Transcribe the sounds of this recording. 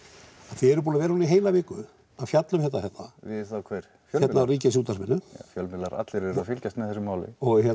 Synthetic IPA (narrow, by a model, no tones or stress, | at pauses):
aðθɪɛɾʏpuːnavɛːɾahunaiɦeːjlavɪːkʏ | afjat̪lʏmçjɛht̪ːahɛht̪ːavɪavkʰvɛɾ̥ | jœjɛt̪nawriːcasjuːt̪asmɪnːʏfjœlmɪlaɾa̰t̪lɪɾɛɾafɪlcast̪mɛðθɛsʏmaːwlɪ̰ɔhɛ